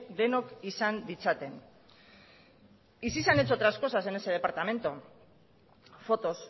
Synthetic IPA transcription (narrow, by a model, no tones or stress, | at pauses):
d̪e̞nokisand̪it͡sat̪e̞n | isisanet͡sot̪ɾasko̞saseneseðe̞paɾt̪ame̞nt̪o | fo̞t̪o̞s